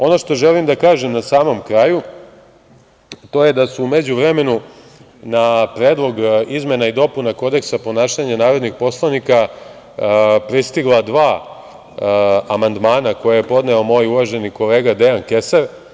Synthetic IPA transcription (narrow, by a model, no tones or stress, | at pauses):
o̞no̞ʃt̪o̞ʒelimd̪akaːʒemnasaːmo̞mkɾaju | t̪o̞je̞d̪asuːme̞d͡ʑuʋɾeme̞nu | napɾeːd̪lˠo̞ɡizme̞naid̪o̞punako̞d̪e̞ksapo̞naːʃaɲanaːɾo̞d̪nixpo̞slˠanika | pɾist̪iɡlˠad̪ʋaː | amand̪maːnako̞jajepo̞d̪neo̞mo̞ːjuʋaʒe̞niko̞le̞ːɡad̪eanke̞saɾ